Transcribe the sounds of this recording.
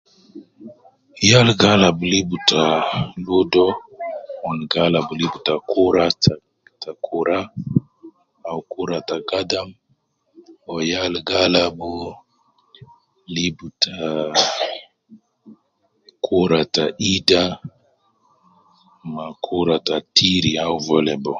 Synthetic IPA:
jalɡalabulibutaludɔ | ɔnɡalabulibutakuɾata | takʰuɾa | awkuɾataɡadam | ɔjalɡalabu | libuta | kʰuɾataʔida | makʰuɾatatʰiɾiauvɔlɛbɔ

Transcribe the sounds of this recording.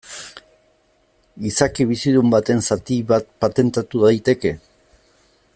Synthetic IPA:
isakiβ̞isiðumbat̪e̞nsat̪iβat̪̚pat̪e̞nt̪at̪uðajt̪e̞ke̞

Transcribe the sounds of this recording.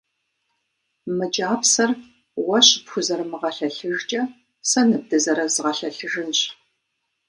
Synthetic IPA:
mɨd͡ʒʼaːpsɐr | wɐɕpxʷʊzɐrmɨʁɐɬɐɬɨʒt͡ʃʼɐ | sɐnɨb̚dɨzɐɾɐzɨʁɐɬɐɬɨʒɨnɕ

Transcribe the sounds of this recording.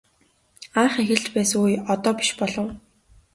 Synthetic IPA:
aχexʲɪ̆ɮt͡ɕpæːsŋujɔt̪ɔːpi̥ʃpɔɮɞ̆w

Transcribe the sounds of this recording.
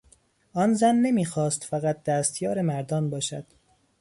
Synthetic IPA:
ʔɒːnzænːemiːxɒːst̪fæɣæt̪̚d̪æːst̪jɒːɾemæɾd̪ɒːnbɒːʃæ̰d̪̥

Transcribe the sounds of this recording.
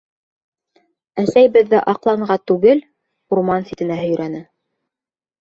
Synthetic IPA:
æsæjbɘ̆ðːɘʔɑqlˠɑɴɢɑt̪ʉɡɘl | uɾmɑnsʲit̪ɘ̆næhɵ̆j̆ɾʔænɘ

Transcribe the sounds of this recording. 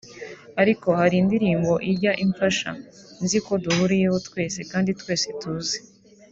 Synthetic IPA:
aɾiko̞haɾindiɾiːmbo̞ʔiɾɟaʔiɱfaʃa̰nziko̞duhuɾije̞ho̞twe̞ːse̞kaːnditkwe̞ːsetuːze

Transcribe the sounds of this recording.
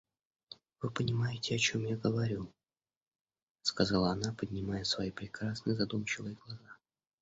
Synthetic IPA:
v̥ɨpənʲɪmajɪtʲɪɐt͡ɕo̞mjaɡəvɐɾʲu | skazalˠəɐnapədʲnʲɪmajəsvɐjipɾʲɪkɾasnəjzɐd̪umt͡ɕɪvəjəɡlˠɐza

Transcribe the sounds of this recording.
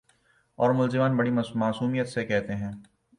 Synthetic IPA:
ɔːɾmʊlzɪmaːnbɐɽimaːsuːmijət̪sekɛɦt̪eɦɛ̃ː

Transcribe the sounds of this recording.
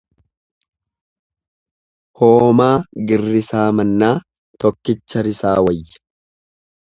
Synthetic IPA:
hoːmaːɡɪrːɪsaːmɐnːaː | t̪ɔkːɪt͡ʃːɐɾɪsaːwɐjːɐ̥

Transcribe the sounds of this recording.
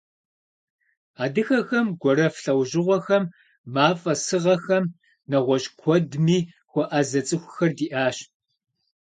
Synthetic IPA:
aːdɨxɐxɐmɡʷɔɾɐfɬɐwʒɪʁʷɔxɐmː | aːfʼɐsɨʁɐxɐm | nɐʁʷɔɕkʷʰɔdmiː | xʷɔʔazɐt͡sʼɨxʷʊxɐrdiːʔaːɕ

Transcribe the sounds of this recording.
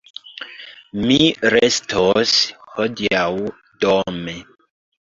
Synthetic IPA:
miɾestʰoshodiaw | dome

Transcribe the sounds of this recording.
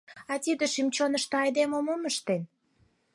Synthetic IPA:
ɑt̪id̪eʃimt͡ɕonəʃt̪ɤɑjd̪emomoməʃt̪en

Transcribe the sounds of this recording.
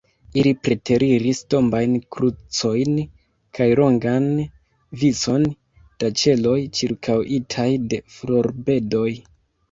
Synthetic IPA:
ilipɾe̞tʰe̞ɾiɾisto̞mbajnkɾut͡so̞jn | kʰajɾo̞ŋɡan | vit͡so̞n | d̥at͡ʃe̞lo̞jt͡ʃiɾkʰawʔitʰajde̞flo̞ɾbe̞do̞j

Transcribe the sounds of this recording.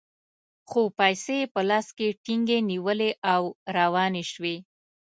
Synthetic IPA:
xopajsepəlɑskeʈiŋɡeniwəleʔawɾawɑneʃwe

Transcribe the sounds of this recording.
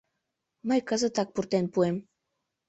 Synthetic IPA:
məjkəzə̆t̪ɑk̚purt̪enpuem

